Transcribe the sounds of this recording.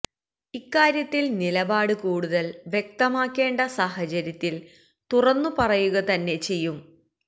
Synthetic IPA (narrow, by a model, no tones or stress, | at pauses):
ikːaːɾjɐt̪ːilnilɐbaːɽɨkuːɽuðɐlʋjek̚t̪ɐmaːkːe̞ːɳɖɐsaːɦɐt͡ɕɐɾjɐt̪ːil | t̪urɐnːupɐrɐjuɣɐt̪ɐnːe̞t͡ɕe̞jːum